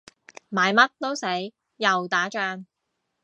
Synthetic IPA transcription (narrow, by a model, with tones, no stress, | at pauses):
maː˨˧jmɐ˥t̚t̪o˥wse˨˥jː | ɐ˨wt̪aː˨˥t͡ʃœː˧ŋ